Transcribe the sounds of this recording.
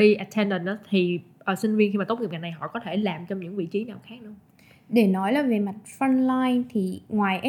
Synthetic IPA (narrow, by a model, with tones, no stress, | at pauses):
ɓi˧ʔa˨˩t̪ʰːɛ˧nɗə˨˩nʔaː˨˦t̪ʰi˨˩ʔəː˨˩sï˧ŋ̟vi˧ənxi˧maː˨˩o˦˥k͡pŋi˨˩pŋa˨˩j̚na˨˩jɦɔ̰˧˨kɔ˨˦t̪ʰe˧˩laː˨˩mt͡ɕɔ˧ŋ͡mɲɨ̰˧˥ŋvḭ˧˨t͡ɕi˨˦naː˨˩wxaː˦˥k̚nɨ̰˧ə | ɗe˧˩nɔ˨˦jla˨˦ve˨˩ma˨˩t̚fə˧nlaː˧jnt̪ʰi˨˩ŋwaː˨˩jʔɛ˦